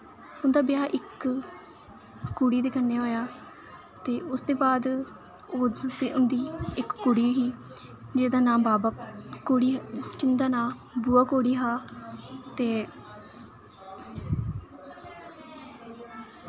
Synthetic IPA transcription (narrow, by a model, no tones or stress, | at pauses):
ʊnd̪aːbɪjaːʔɪk | uɽiːd̪eːkənːeːoːjaː | t̪eːʊsd̪eːbaːd̪ | oeʊnd̪iːɪkːʊɽiːɦiː | d͡ʒed̪aːnãːbaːbaoːɽiːkɪnd̪aːnãːbuːaːkoːɽiːɦaː | t̪eː